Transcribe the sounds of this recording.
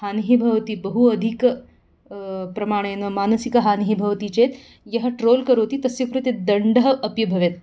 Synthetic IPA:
haːniɦibʱɐʋt̪ibɐɦuɐd̪ʱik | pɾɐmaːɽ̃eːnɐmaːnɐsikɐɦaːniɦibʱɐʋt̪iːt͡ʃet̪ | jɐɦɐʈɾoːlkɐɾoːt̪iːt̪ɐsjɐkɾut̪jet̪̚d̪ɐɳɖəɦɐʔɐpjibʱɐʋet̪

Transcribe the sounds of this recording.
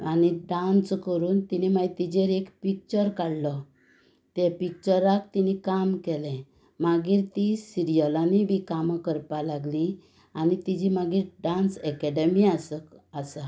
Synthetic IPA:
aniɖãnskəɾuːnt̪inimajt̪id͡ʑeɾekpik̚t͡ɕəɾkaɽlɔ | t̪ɛ̃pik̚t͡ɕəɾːak̚t̪inikamkɛlɛ̃ | maɡiːɾt̪isiɾijəlaniʋikaməkəɾpalaɡli | anit̪id͡ʑimaɡiːɾɖãnsɛkɛɖəmiasəkəsa

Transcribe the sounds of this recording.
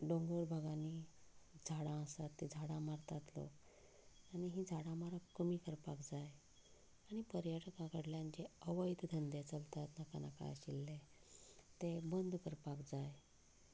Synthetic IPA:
ɖõŋɡoɾbʱaɡãnid͡zʱaɽãəsat̪ːed͡zʱaɽãmaɾt̪at̪lo̰k | añiɦid͡zʱaɽãmaɾakːəmiːkəɾpakd͡zaj | aɽ̃ipəɾjəʈkãkəɽljãnd͡ʑeəʋəjt̪d̪ʱənd̪et͡səlt̪at̪naka̰na̰ka̰jə̰ɕilːe | t̪ebənd̪ʱkəɾpakd͡zaj

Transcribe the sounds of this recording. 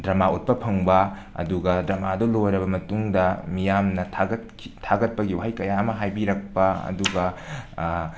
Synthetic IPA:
dɾɐmaut̚pɐpʰɐŋbɐ | ɐ̰duɡɐdɾɐmadolojɾɐbɐmɐtuŋdɐmijamnɐɡɐtʰ | itʰaɡɐt̚pɐɡiwɦajkɐjaɐmɐɦajbiɾɐk̚pɐɐ̰duɡɐ

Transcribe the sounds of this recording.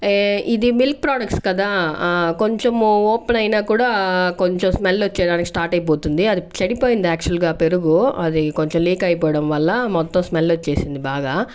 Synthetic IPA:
id̪imilk̚pɾaːɖɐk̚ʈskɐd̪aːko̞ɲt͡ʃemoːpenɐjnaːkuːɽaːkoɲt͡ʃomsmelːot͡ʃːɛːjɐɽaːnikisʈaːɾʈɐjip̬o̞ːt̪und̪iɐd̪it͡ʃɐɽipoːjind̪iaːk̚t͡ʃɐlɡaːpe̞ɾuɡuɐd̪iko̞ɲt͡ʃemliːkɐjpɔːɐɽɐmʋɐlːɐmɔt̪ːɐmsmelːot͡ʃːeːsind̪ibaːɡaː

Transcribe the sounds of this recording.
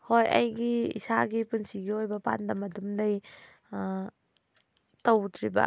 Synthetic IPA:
hojɐ̰jɡiḭsaɡipunsiɡiojbɐpa̰ndɐmɐdumdɐj | towtʰɾibɐ̰

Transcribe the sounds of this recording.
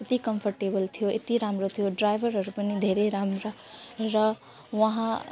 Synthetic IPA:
et̪ikʌmpʰʌrʈebʌlt̪ʰijoet̪iɾamɾot̪ʰijoɖrajbʱʌɾɦʌɾupʌnid̪ʱeɾeɾamɾʌ | ɾʌ | wʌɦã

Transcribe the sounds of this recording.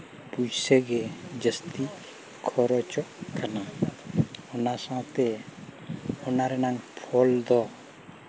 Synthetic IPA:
pud͡ʒseɡed͡ʒəst̪i | kʰɔɾɔt͡ʃɔʔkʰəna | onasãt̪e | onaɾenãŋpʰɔld̪ɔ

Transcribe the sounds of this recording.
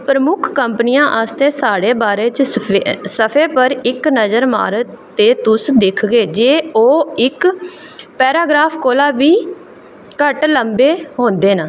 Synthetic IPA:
pɾəmʊkʰkəmpnijãːʔaːst̪eːsaːɽeːbaːɾeːt͡ʃ | səpʰeːpəɾɪknəzəɾma̰ːɾət̪ː | eːt̪ʊsd̪ɪkʰɡeːd͡ʒeːoːɪk | pɛːɾaːɡɾaːpʰkoːlaːʋiː | kəʈləmbeːɦõːnd̪eːnaː

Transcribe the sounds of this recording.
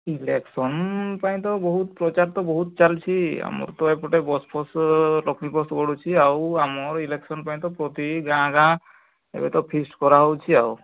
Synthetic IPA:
ileksɔnpaj̃t̪ɔbɔɦut̪pɾɔt͡ʃaɾt̪ɔbɔɦut̪t͡ʃalt͡ʃʰia̰mɔ̰ɾt̪ɔepɔʈebɔspʰɔslɔkmipɔsɡɔɽut͡ʃʰiawamɔɾileksɔnpaj̃t̪ɔpɾɔt̪iɡãkã | ḛbet̪ɔpʰisʈkɔɾaɦɔwt͡ʃʰiaw

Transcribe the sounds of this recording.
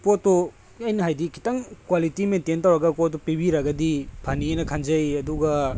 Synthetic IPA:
potːo | ɐjnɐɦajdikʰi̥tɐŋkwalitimententawɾɐɡɐpotːopibiɾɐɡɐdipʰanienɐkʰanzɐjɐduɡɐ

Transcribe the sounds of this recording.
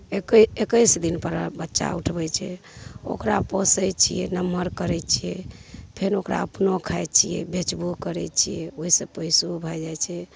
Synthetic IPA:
kekəjsd̪inpəɾabətːʃa̰uʈʰbɛt͡ʃʰɛ̰ | o̰kɾaposəjt͡ʃʰijɛnəməɾkəɾɛt͡ʃʰijɛpʰeɾokɾa̰əpnokʰajt͡ʃʰijɛ̰bet͡ʃbukəɾɛ̰t͡ʃʰijɛoɦisəpəjsubʱad͡ʒajt͡ʃʰɛ

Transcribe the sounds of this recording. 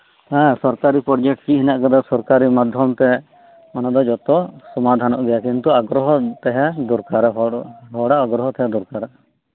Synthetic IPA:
hɛ̃sɔɾkaɾipɾɔɾd͡ʒɛkʈkiɦinaʔkɛd̪ɔsɔɾkaɾimad̪ʱjɔmt̪ɛ | manad̪ɔd͡ʒɔt̪ɔsɔmad̪ʱanɔʔɡɛjakint̪uaɡɾɔɦɔt̪ɛɦɛd̪ɔɾkaɾɦɦɔɽaʔɔɡɾɔɦɔt̪ɛɦɛd̪uɾkaɾɛ

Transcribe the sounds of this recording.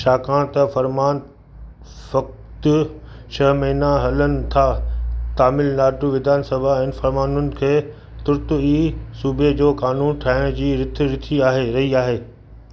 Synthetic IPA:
ʃaːkãːɽ̃t̪ɐfɐɾmaːn | fɐk̚ | t̪ | ʃʰɐɦmɐɦinaɦɐlənɪ̆t̪ʰaːt̪aːmɪlnaːʈuʋɪd̪ʱaːnsɐbʱaɪnfɐɾmaːnʊnɪ̆kʰeː | t̪ʊɾt̪ʊiːsuːbʱed͡ʑoːkaːnuːnʈʰaːɦɪɽ̃d͡ʑiːɾɪt̪ʰɾɪt̪ʰiaːɦeɾɐɦiaːɦeː

